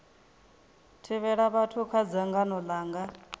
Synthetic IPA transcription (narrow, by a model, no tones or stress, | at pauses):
tʰiβɛɺaβatʰukʰad͡zaŋɡanɔlaːŋɡa